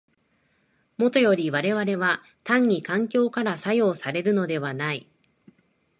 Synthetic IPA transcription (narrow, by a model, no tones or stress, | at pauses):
mo̞t̪o̞jo̞ɾʲiβaɾe̞βaɾe̞βa | t̪ãɲ̟ːikãŋkʲo̞ːkaɾasajo̞ːsaɾe̞ɾɯ̟no̞d̪e̞βanai